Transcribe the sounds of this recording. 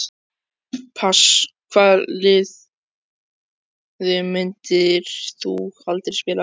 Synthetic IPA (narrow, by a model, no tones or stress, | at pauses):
pʰaskʰvalɪð | ðʏmʏnt̪ɪɾ̥θuɣhalt̪ɪɾ̥spɪːla